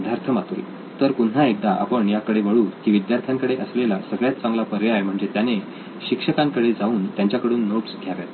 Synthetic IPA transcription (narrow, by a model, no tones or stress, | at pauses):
d̪ʱjaɾt̪ʰəmat̪uḛ | t̪əɾkuɳnaek̚d̪aʔa̰pəɳjakəɽeʋəɭuːɾkiːʋid̪jaɾt̪ʰjaŋkəɽeʔəslelasəɡɭjat̪̚t͡sãŋɡlapəɾjajm̤əɳd͡zet̪jane | ɕikʂəkãŋkəɽed͡zauːnt̪jaɲt͡ɕjakəɽuːnːoʈsɡʱjaʋja̰t̪